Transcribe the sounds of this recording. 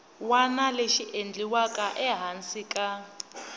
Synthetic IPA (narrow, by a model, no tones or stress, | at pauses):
wanaleʃiʔend͡ɮiwakʼaʔɛɦansikʼa